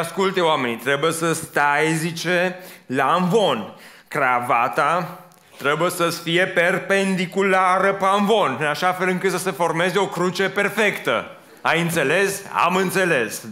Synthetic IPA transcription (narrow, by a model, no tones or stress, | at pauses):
askult̪eoame̞nʲt̪ɾe̞buje̞səst̪ajzit͡ʃe̞laɱvo̞n | kɾavat̪a | t̪ɾe̞bujesəsfije̞pe̞rpe̞nd̪ikulaɾəpaɱvo̞nɨnaʃafe̞lɨŋkɨt̪səse̞fo̞rme̞zeo̞kɾut͡ʃe̞pe̞rfe̞kt̪ə̰ | a̰jɨnt̪se̞le̞sa̰mɨnt̪se̞le̞s